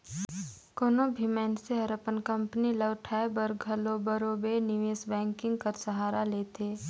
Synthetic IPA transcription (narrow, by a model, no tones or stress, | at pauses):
koːnobʱimɛːnseɦɐɾəpənkɐ̃mpniləːʈʰaebəɾɡʱɐlobəɾoːbenɪʋeːsbɛ̃ːŋkɪ̃ŋɡ̚kɐɾsɐɦaːɾaleːt̪ʰeː